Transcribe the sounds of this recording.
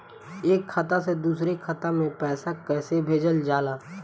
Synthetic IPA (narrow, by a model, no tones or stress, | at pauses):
eːkʰːat̪ased̪uːsɾekʰət̪amẽpɛːsakɛːsebʱeːd͡ʒəld͡ʒaːlaː